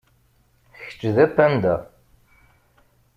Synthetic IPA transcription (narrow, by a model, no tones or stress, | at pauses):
çə̥t͡ʃːðæpːænd̪æ